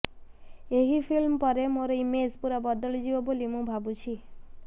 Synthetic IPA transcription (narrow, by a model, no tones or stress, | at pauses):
eɦipʰilmpɔɾemoɾɔimed͡ʒpuɾabɔd̪ɔɭd͡ʒibɔbolimũbʱabut͡ʃʰi